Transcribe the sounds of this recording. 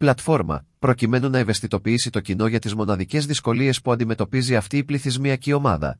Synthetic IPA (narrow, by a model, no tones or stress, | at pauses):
plɐt̪fo̞ɾmɐ̰ | pɾo̞cime̞nunɐeve̞st̪it̪o̞piisit̪o̞cino̞ʝɐt̪izmo̞nɐðice̞zðisko̞lie̞spuɐnd̪ime̞t̪o̞piziɐft̪iːpliθizmiɐcio̞mɐ̰ðɐ̰